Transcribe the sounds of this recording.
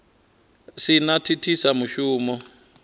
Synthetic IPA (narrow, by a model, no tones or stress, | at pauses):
sinatʰitʰisamuʃuːmɔ